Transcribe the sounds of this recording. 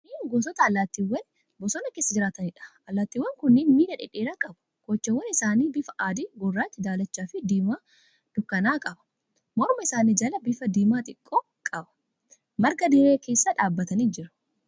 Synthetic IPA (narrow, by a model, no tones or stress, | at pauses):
niːɡoːs̬ɔt̪ɐːlːaːt̪ːiːwːɐn | bɔsɔnɐke̞ːsːɐd͡ʒɪɾaːt̪ɐnɪᶑɐ̥ʔɐlːaːt̪ːiːwːɐŋkʊnːenmiːdɐᶑɪ̰ᶑeːɾaːkʼɐbʊ̥kɔt͡ʃːɐwːɐnɪsaːniːbɪfɐʔaːd̪iːɡɔrːaːt̪ːɪd̪aːlɐt͡ʃːaːfɪd̪iːmaː | d̪̥ʊkːɐnaːkʼɐbɐ̥ | mɔɾmɐɪsaːnid͡ʒɐlɐbɪfɐd̪iːmaːt̪ʼɪkʼːoː | kʼɐbɐ̥ | mɐɾɡɐd̪ɪɾeːke̞ːsːɐᶑaːbːɐt̪ɐniːd͡ʒɪɾɐ̥